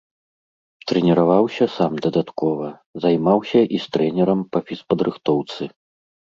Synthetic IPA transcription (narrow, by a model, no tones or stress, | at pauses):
t̪ɾɛnʲɛɾavawsʲɐsamd̪ɐd̪at̪kɔvɐ | zajmawsʲɐʔist̪ɾɛnʲɛɾɐmpɐfʲispɐd̪ɾɨxt̪ɔwt̪sɨ